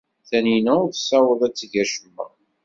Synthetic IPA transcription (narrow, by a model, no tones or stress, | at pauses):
θæninæʊθsæwəðˤæt͡sːʝæʃəmːæ̰